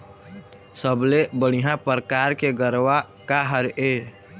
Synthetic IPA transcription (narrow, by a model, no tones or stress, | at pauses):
səblebəɽ̃iɦãpəɾkaːɾkeɡəɾwa | kaɦəɾeː